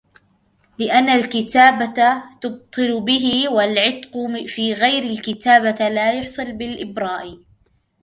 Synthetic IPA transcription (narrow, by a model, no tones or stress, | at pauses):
lɪʔanːalkɪt̪aːbat̪ʊb̚t̪ˤɨlʊbɪɦɪwalʕɪt̪qʊfiːɣajɾalkɪt̪aːbalaːjʊħsˤɨlbɪlʔɪbɾˤɑːʔ